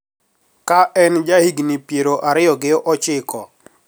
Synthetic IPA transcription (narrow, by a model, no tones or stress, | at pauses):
kaʔɛnd͡ʒahiɡnipjeɾoʔaɾɪjɔɡɪʔɔt͡ʃɪkʰɔ̰